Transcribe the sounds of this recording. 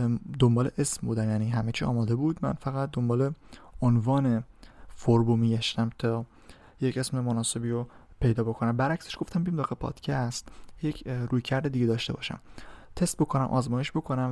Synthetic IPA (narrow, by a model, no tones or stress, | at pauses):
d̪o̞mbɒːleʔesmbuːd̪æmjæːniːɦæmet͡ʃʰiːɒ̰ːmɒːd̪e̞buːd̪mæ̰nfæɣæt̪̚d̪o̞mbɒːleonvɒːne̞foɾbomiːɡæʃt̪æmt̪ʰɒː | jece̞smemonɒːse̞biːɾopʰe̞jd̪ɒːbo̞kʰo̞næmbæɾæcseʃɡ̥o̞ft̪æmbiimd̪ɒːɣepʰɒ̰ːd̪̥cʰæst̪jecʰɾuːjcʰæɾd̪ed̪iɟed̪ɒːʃt̪e̞bɒ̰ːʃæ̰mt̪ʰe̞st̪̚bo̞kʰonæmʔɒ̰ːzmɒːje̞ʃbo̞kʰo̞næm